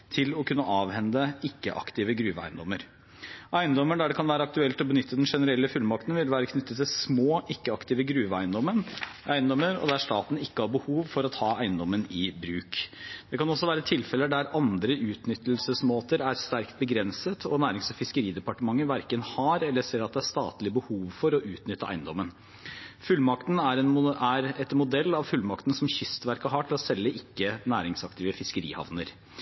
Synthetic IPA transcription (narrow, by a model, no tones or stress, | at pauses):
t̪ʰɪlɔkʰʉnːəʔɑːʋhɛnd̪əɪkːə̰ʔɑ̰kt̪ɪʋəɡɾʉːʋəæ̰ɪnd̪ɔmːəɾ | ʔæɪnd̪ɔmːəɖ̪æɖɛkʰɑnʋæːɾəɑk̚t̪ʉɛlt̪ɔbənʏt̪ʰːəd̪ɛnʂɛnəɾɛlːəfʉlmɑkt̪nʋɪlʋæːɾəkʰnʏt̪ːət̪ːɪsmoːʔɪkːəɑkt̪ɪːʋəɡɾʉːʋəæɪənd̪ɔmːənʔæɪnd̪ɔməɾɔ̰d̪æʂt̪ɑːt̪n̩ɪkːəhɑɾbəhuːʋfɔɾɑt̪ʰɑːæɪənd̪ɔmənɪbɾʉːkd̪̥ɛkʰɑnɔsːɔʋæːɾət̪ʰɪlfɛləɖ̪æɾɑnd̪ɾəʔʉːt̪nʏt̪ːəl̩səsmoːt̪əɾæɾst̪æɾkt̪̚bəɡɾɛnsət̪ʰɔnæːɾɪŋsɔfɪskəɾiːd̪ɛpɑʈəmɑŋːəʋæɾkənhɑɾɛlːəseːɾɑt̪̚d̪ɛæʂt̪ɑ̰ːt̪lɪəbəhuːʋfɔɾɔʔʉːt̪nʏt̪ːəʔæ̰ɪnd̪ɔmːən | fʉlːmɑkt̪n̩æɾɛnæɾɛt̪mʊd̪ɛlːɑʋfʉlmɑkt̪n̩sɔmçʏst̪ʋæɾkəɦɑʈʰɪlɔsɛlːəʔɪkːənæːɾɪŋsɑkt̪ɪːʋəfɪskəɾḭːhɑ̰ʋnə̰ɾ